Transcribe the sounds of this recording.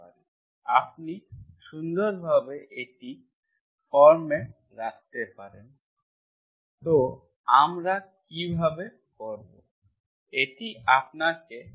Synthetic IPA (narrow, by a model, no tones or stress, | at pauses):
aɾen | apniʃund̪oɾbʱabeʔeʈi | fɔɾme | ɾakt̪epaɾḛn | t̪o | amɾakibʱabe | kɔɾbo̰ | eʈiap̚nake